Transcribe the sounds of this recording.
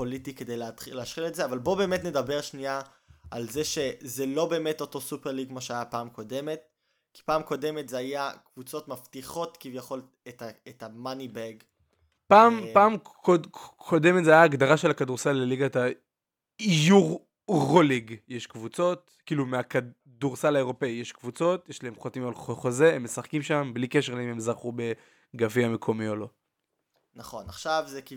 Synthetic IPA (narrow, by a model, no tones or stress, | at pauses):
politike̞dejleatχileaʃχiletzeavalbo̞be̞ːmetne̞dabe̞ʁʃnia | ʔalzeʃe̞zelo̞be̞ːmeto̞to̞supeʁliɡkmoʃeajapaːmko̞de̞met̚ | ki̥paːmko̞de̞metzeajakvut͡so̞tmaftiχo̞tkivjaχo̞l | etaetamanibeɡ | paːmpaːmkokʰode̞metzeajaːɡd̪aʁaʃe̞lakaduʁsalleliɡat̪a | ijuʁ | ʁoliɡjeʃkvut͡so̞t̚ | kiːlumeaka | duʁsalaeʁo̞peijeʃkvut͡so̞t̪jeʃlaemχotimalχoχo̞ze̞emːe̞saχkimʃamblikeʃ̬elaimemzaʁχube̞ | ɡaviame̞kʰo̞mio̞lo̞ | naχo̞naχʃavzeki